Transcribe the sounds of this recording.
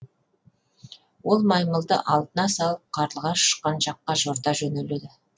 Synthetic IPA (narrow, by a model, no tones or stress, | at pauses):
wo̞lˠmɑjməlˠd̪ə̰ʔɑlˠd̪ənɑsɑlˠəp̚qʰɑɾəlˠʁɑʃə̥ʃqɑnʒɑqːɑʒoɾt̪ɑʒɵneled̪ɪ